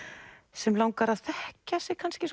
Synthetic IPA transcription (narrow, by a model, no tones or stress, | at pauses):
sɛmlawŋkaɾaðθɛhcasɛɣkʰanscɪs